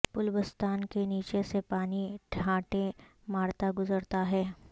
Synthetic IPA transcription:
pʊlbəst̪aːnkeniːt͡ʃesepaːniʈʰãːʈẽ | maːɾt̪aɡʊzəɾt̪aɦɛː

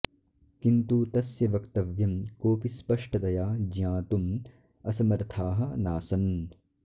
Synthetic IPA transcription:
kint̪ut̪ɐsjɐʋɐkt̪ɐʋjɐmkoːpispɐʂʈɐd̪ɐjaːd͡ʒjãːt̪um | ɐsɐmɐɾt̪ʰaːɦɐnaːsɐn

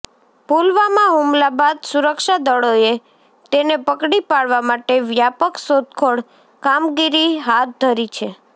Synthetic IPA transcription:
pulʋamãɦumlabad̪suɾəkʃad̪əɭoe | t̪enepəkɽipaɭʋamaʈeʋjapəksot̪kʰoɽ | kamɡiɾiɦat̪̚d̪ʱəɾit͡ʃʰe

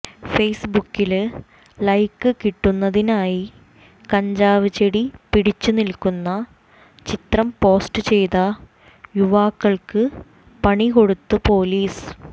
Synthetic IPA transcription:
fejsbukːil | lɐjkːɨkiʈːunːɐðinaːji | kɐɲd͡ʑaːʋit͡ɕeɽipiɽit͡ɕːunilkːunːɐ | t͡ɕit̪rɐmpo̞ːsʈɨt͡ɕe̞jt̪ɐ | juʋaːkːɐɭkɨ | pɐɳiko̞ɽut̪ːɨpo̞ːliːs

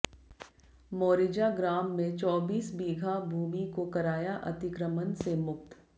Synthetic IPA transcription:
moːɾɪd͡ʒaɡɾaːmːẽt͡ʃɔːbiːsbiːɡʱabʱuːmikokɐɾaːjaʔɐ̰t̪ɪkɾəmənsemʊk̚t̪

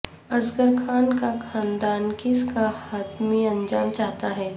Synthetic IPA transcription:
ɐzɡəɾkʰaːnkakʰãːnd̪aːnkɪskahaːt̪mẽɐ̃nd͡ʒaːmt͡ʃaːɦt̪aɦɛː

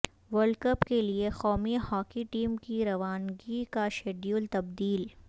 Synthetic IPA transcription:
ʋəɾlɖkəpkeliexɔːmihɔːkiʈiːmkiɾɐʋaːnɡikaʃeːɖjuːlt̪ɐb̚d̪iːl

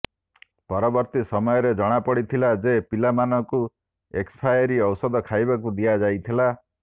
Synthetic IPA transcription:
pɔɾɔbɔɾt̪isɔmɔjɔɾed͡ʒɔɽ̃apɔɽit̪ʰilad͡ʒepilamanɔku | ekspʰajɔɾiɔwsɔd̪ɔkʰajbakud̪ijad͡ʒajt̪ʰila

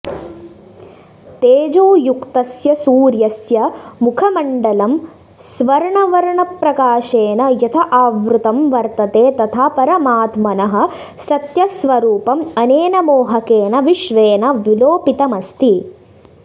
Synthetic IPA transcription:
t̪eːd͡ʒoːjukt̪ɐsjɐsuːɾjɐsjɐmukʰɐmɐɳɖɐlɐm | sʋɐɾɳɐʋɐɾɐɳɐpɾɐkaːʃeːnɐjɐt̪ʰɐʔaːʋɾut̪ɐmʋɐɾt̪ɐt̪eːt̪ɐt̪ʰaːpɐɾɐmaːt̪mɐnɐɦɐ̆ | sɐt̪jɐsʋɐɾuːpɐmɐneːnɐmoːɦɐkeːnɐʋiʃʋeːnɐʋiloːpit̪ɐmɐst̪i

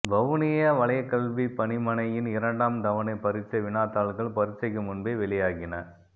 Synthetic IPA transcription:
bɐʋʊnɪjɐʋɐɭɐjɐkːɐɭʋipɐnɪmɐnɐjɪnɪɾɐɳɖaːmd̪ɐʋɐnɐɪpɐɾɪt͡ʃːɐʋɪnaːt̪aːɭɣɐɭpɐɾɪt͡ʃːɐɪkːɯmʊnbeːʋɛɭɪjaːɣɪnɐ

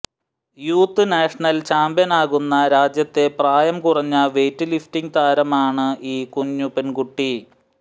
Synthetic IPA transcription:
juːt̪ːɨnaːʂɐɳɐlt͡ɕaːmbjɐnaːɣunːɐɾaːd͡ʑjɐt̪ːe̞praːjɐmkurɐɲːɐʋe̞ːtːɨliftiŋt̪aːɾɐmaːɳɨʔiːkuɲːupenkuʈːi

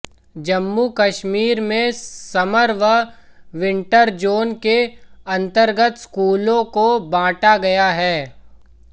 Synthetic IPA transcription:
d͡ʒɐmːukɐʃmiːɾmẽsɐməɾʋəʋɪ̃ɳʈəɾd͡ʒoːnkeɐ̃nt̪əɾɡət̪skuːlõkobãːʈaɡɐjaɦɛː

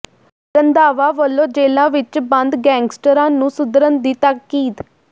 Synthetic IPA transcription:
ɾənd̪aːʋaːʋəlːõːd͡ʒeːlãːʋɪt͡ʃbənd̪ɡɛ̃ːŋɡsʈəɾãːnũːsʊd̪ɾənd̪iːt̪aːkːiːt̪

